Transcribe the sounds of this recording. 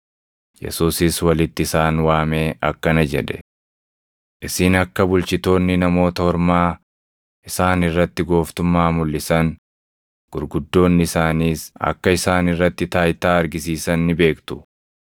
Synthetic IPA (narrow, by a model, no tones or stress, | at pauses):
jɛ̰suːsɪswɐlɪt̪ːɪɪsaːnwaːme̞ːʔɐkːɐnɐd͡ʒɛ̰ᶑ̪ɛ̥ | ʔɪsɪnɐkːɐbʊlt͡ʃɪt̪o̞ːnːɪnɐmo̞ːt̪ɐhɔɾmaː | ʔɪsaːnɪrːɐt̪ːɪɡo̞ːft̪ʊmːaːmʊlːɪsɐŋ | ɡ̥ʊɾɡʊd̪ːo̞ːnːɪɪsaːniːsɐ̰kːɐɪsaːnɪrːɐt̪ːɪt̪aːjt̪aːɐɾɡɪsiːsɐnːɪbe̞ːkt̪ʊ̥